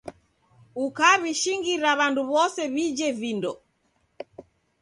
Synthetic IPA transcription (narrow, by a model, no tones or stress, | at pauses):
ukaβiʃiŋɡiɾaβanduβɔsɛβid͡ʒɛvindɔ